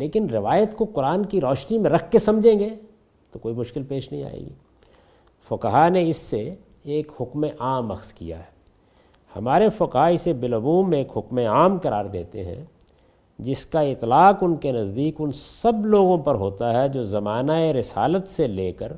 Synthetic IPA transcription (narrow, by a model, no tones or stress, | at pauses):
leːkɪnɾɪʋaːjət̪koqʊɾaːnkiɾɔːʃnimẽɾɐkʰːesɐmd͡ʒʱẽːŋɡeː | t̪okoːimʊʃkɪlpeːʃnɐɦĩa̰ːḛːɡḭː | fʊkɦaneɪsːe | eːkhʊkmẽʔaːmɐxskija̰ɦɛ̥ː | hɐ̰maːɾefʊkɦaɪsebɪlɐbuːẽeːkɦʊkmẽaːmkɐɾaːɾd̪eːt̪ḛɦɛ̰̃ | d͡ʒɪskaɪt̪laːqʊnkenɐzd̪iːkʊnsɐbloːɡõpɐɾɦoːt̪aɦɛd͡ʒoːzɐmaːnaeɾɪsa̰ːlət̪seleːkəɾ